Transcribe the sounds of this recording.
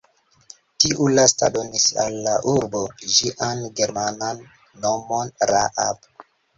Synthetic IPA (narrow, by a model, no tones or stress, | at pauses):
tiʔulasta̰do̞nisa̰lːaʔuɾbo̞ʒiʔanɡe̞ɾmananː | o̞mo̞nɾaʔa̰p